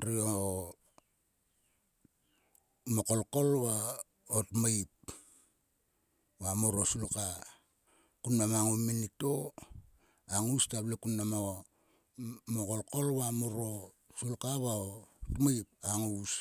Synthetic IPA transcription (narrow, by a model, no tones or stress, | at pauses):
ɾio | mokolko̞lwa | otmajp̚ | wamoɾosulka | kunnamaŋuminito | aŋustablekunːamao | mokolkolβamoɾo | sulkaβaottmaip̚aŋus